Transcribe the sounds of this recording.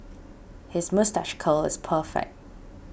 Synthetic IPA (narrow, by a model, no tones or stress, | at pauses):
hɪzmʌstaʃkʰəlˠɪ̰z̥pʰɜˑfɛ̰k̚t̚